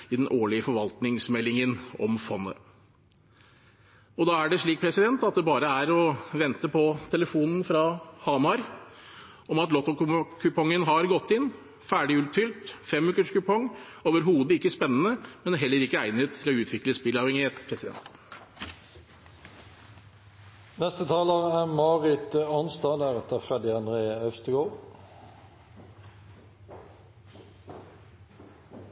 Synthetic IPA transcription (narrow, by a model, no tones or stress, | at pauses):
ɪd̪ɛnʔoːɭɪəfɔɾʋɑlt̪nɪŋsmɛlːɪŋənɔ̰mfɔnːə̰ | ɔd̪ɑːæɖɛʂɭiːk̚pʰɾɛsɪd̪ɛnt̪ɑt̪̚d̪ɛbɑːɾəæɾɔʋɛnt̪əpʰɔt̪ʰɛləfuːnn̩fɾɑhɑmɑɾ | ɔmɑt̪lɔt̪ːɔkʰʉpʰɔŋːənɦɑɾɡɔt̪ːɪn | fæːɖɪʉːlt̪fʏlt̪fɛmʉːkəʂkʉpʰɔŋːoːʋəɾhuːd̪əɪkːəspɛnːənəmɛnæɦɛlːəɾɪkːəæɪnət̪t̪ʰːɪlɔːʉːt̪ʰʋɪkləspɪlɑːʋɛŋɪheːt̪pʰɾɛsɪd̪ɛ̰nt̪ | nɛst̪ət̪ʰɑːləʁæːʁmɑːʁɪt̪əɑnsd̪ɑːləʁɛt̪əfʁɛd̪ɪɑnd̪ʁeːœfst̪əɡoːʁ